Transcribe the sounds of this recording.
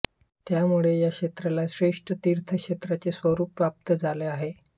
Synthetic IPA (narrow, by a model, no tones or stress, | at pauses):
t̪jamuɭejakʂet̪ɾalaɕɾeʂʈət̪iːɾt̪ʰəkʂet̪ɾat͡sesʋəɾuːpːɾap̚t̪əd͡zaleaɦe